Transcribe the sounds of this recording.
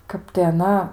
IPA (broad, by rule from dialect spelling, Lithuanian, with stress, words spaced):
ˈkɐp tɐɪ ɐˈnɐ